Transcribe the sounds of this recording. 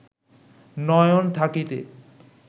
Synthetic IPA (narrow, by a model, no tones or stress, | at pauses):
nɔjont̪ʰakit̪ḛ